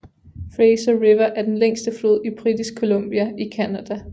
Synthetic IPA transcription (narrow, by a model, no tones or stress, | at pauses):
fʁeɪsɐʁiʋɐʔæɐd̥enleŋ̰sd̥əflo̝ð̰ˠib̥ʁid̥isɡ̥̚kʰo̝lɔ̽m̰b̥iæikʰænæd̥æ